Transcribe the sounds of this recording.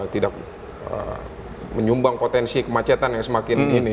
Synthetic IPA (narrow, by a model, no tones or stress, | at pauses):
t̪idak̚ | ə̰ | məɲumbaŋpot̪ɛnsikəmat͡ʃɛt̪anjaŋsəmakɪnini